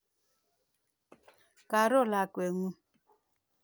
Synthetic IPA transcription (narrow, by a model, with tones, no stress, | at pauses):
ka˨ɾo˦˨la˨kwɛ˨ŋu˦